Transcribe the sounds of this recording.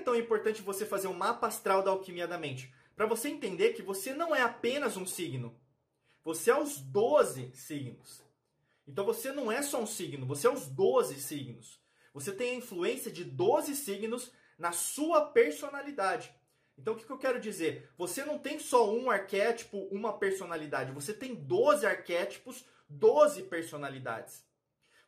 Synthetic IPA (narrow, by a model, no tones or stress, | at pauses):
t̪ɐ̃w̃ĩmpoɾt̪ɐ̃nt͡ʃɪvosefazeɾũmapast̪ɾawd̪ɐawkimiad̪ɐmẽnt͡ʃɪ̥ | pɾɐvoseẽnt̪ẽnd̪eɾkɪvosenɐ̃w̃ɛapẽnɐzũsiɡnʊ | voseɛʊ̃zd̪ozɪsiɡnʊs | ẽnt̪ɐ̃w̃vosenɐ̃w̃ɛsɔũsiɡnʊvoseɛʊ̃zd̪ozɪsiɡnʊs | voset̪ẽj̃ɐĩfluẽsiɐd͡ʒɪd̪ozɪsiɡnʊz | nɐsuɐpeɾsonalid̪ad͡ʒɪ | ẽt̪ɐ̃ʊkɪ̥kɪewkɛɾʊd͡ʒizeɾvosenɐ̃w̃t̪ẽj̃sɔũaɾkɛt͡ʃi̥pʊʔũmɐpeɾsonalid̪ad͡ʒɪvoset̪ẽj̃d̪ozɪaɾkɛt͡ʃi̥pʊz | d̪ozɪpeɾsonalid̪a̰d͡ʒɪs